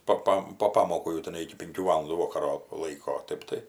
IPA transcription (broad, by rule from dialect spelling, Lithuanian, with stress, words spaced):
ˈpɐ ˈpɐm poː ˈpɑːmoːkuː jɛʊ tʲɪˈnɐɪ ɪkʲɪ pʲɪŋʲˈkʲuː ˈʋɑːlˠɐnduː ˈʋoːkɐroː ˈlˠɐɪkoː oː ˈtɜp tɐɪ